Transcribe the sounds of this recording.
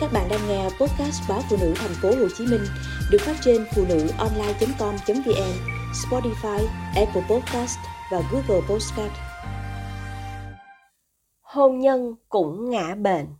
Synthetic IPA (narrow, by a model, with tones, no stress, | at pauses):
kaː˦˥k̚ɓa̰ː˧˨nɗaː˧ŋŋɛ˧po˦˥t̚kaː˦˥st̚ɓaː˨˦fṵ˧˨nɨ̰˧˥t̪ʰɛ˨˩jŋ̟fo˨˦ho˨˩t͡ɕi˨˦mï˧ŋ̟ | ɗɨ˨˩ək̚faː˦˥t̚t͡ɕe˧nfṵ˧˨nɨ̰˧˥ʔɔ˧nlaː˧jt͡ɕə˨˦ŋ͡mkɔ˧mt͡ɕə˨˦ŋ͡mvi˧ʔɛ˧mspɔ˧˦˥ti˧faː˧jʔɛ˧pə˧pɔ˦˥t̚kaː˦˥stvaː˨˩ɣu˦˥ɣə˧˩po˦˥tska˦˥t̚ | ho˧mɲə˧nkʊ̰˧˥ŋ͡mŋa̰ː˧˥ɓḛ˧˨n